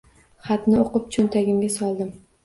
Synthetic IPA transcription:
χat̪nɪoqɨp̚t͡ʃʰʊnt̪ʰaɡʲɪmɡʲasɒlˠd̪ɪm

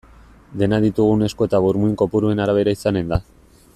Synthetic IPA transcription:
d̪e̞naðit̪uɣ̞une̞sko̞e̞t̪aβuɾmuiŋko̞puɾue̞naɾaβ̞e̞ɾaisane̞nd̪a

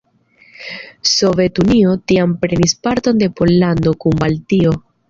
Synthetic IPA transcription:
so̞ve̞tunio̞tiampɾe̞nispaɾto̞nde̞po̞lːando̞kumbaltio̞

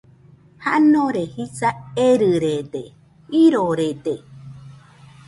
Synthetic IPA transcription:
haʔnõɾehisaeɾɨɾed̪e | iɾoɾed̪e

